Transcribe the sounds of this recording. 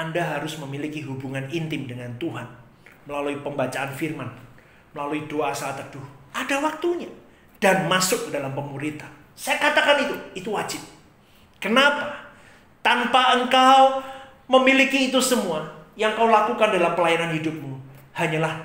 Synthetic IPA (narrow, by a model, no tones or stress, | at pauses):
ʔandaɦaɾʊsməmilikiɦubuŋanint̪ɪmdəŋant̪uɦan | məlaluipəmbat͡ʃaʔanfirman | məlaluidoʔasaat̪ər̚d̥ʊhadawak̚t̪uɲa | d̥anmasʊk̚ːədalampəmuɾit̪an | sajakat̪akanit̪uit̪uwad͡ʒɪp̚ | kənapa | t̪anpaʔəŋkaw | məmilikiːt̪usəmuajaŋkawlakukandalampəlajananhidʊp̚mu | haɲalah